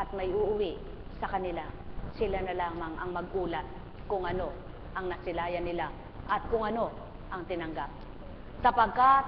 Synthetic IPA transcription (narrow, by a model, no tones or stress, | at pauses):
ʔɐt̪̚mɐjʔʊʔʊwɪʔ | sɐkɐnɪlasɪlanɐlaːmɐŋɐ̰ŋmɐɡʔuːlɐt̪̚ | kʊŋʔɐno̞ | ʔɐŋnɐsɪlaːjɐnːɪla | ʔɐt̪̚kʊŋɐno̞ | ʔɐŋt̪ɪnɐŋɡap̚ | sɐpɐɡ̚kat̪̚